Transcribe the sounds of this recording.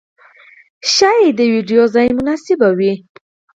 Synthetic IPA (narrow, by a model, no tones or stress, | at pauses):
ʃajed̪əwiɖijozajmʊnasɪbawi